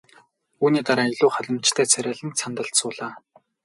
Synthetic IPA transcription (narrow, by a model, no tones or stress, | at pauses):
uːniːt̪aɾaːiɮʊːχaɮə̆mt͡ɕt̪ʰæːt͡sʰæɾʲaːɮɘ̆nt͡sʰant̪ə̆ɬt̪sʊːɮaː